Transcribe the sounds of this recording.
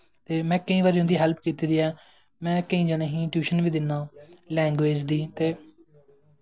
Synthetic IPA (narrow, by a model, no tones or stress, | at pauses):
t̪eːmɛ̃ːkəĩːʋaːɾiːɦʊ̃nd̪iːɦɛlp̚ʰkiːt̪iːd̪iːɛː | mɛ̃ːkəĩːd͡ʒaːneːɦĩːʈjuːʃənʋiːd̪ɪnːãːlɛ̃ːŋɡʋeːd͡ʒd̪iːt̪eː